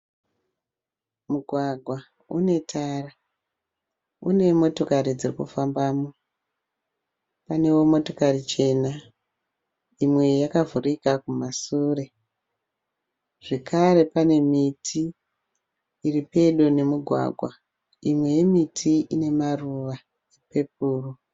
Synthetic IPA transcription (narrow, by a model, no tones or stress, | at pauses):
muɡʱwaɡʱwa | une̞tʰaːra | une̞mo̞to̞kaɾid͡zirikufambaːmo | pane̞wo̞mo̞to̞karit͡ʃe̞na | imwe̞jakavurikakumasuːre̞ | ʐe̞kʰaɾe̞pane̞mitʰi | ripe̞ɗone̞muɡʱwa̰ɡʱwa | imwe̞jemitʰiʔine̞maruʋa | epe̞p̚uːru